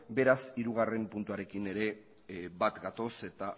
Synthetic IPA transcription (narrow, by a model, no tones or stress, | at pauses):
be̞ɾasiɾuɣ̞are̞mpunt̪uaɾe̞kine̞ɾe̞ | bat̪ɡat̪o̞se̞t̪a